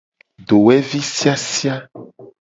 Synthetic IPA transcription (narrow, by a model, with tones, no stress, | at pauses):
ɖo˨wɛ˦vi˦si˦a˦si˦a˦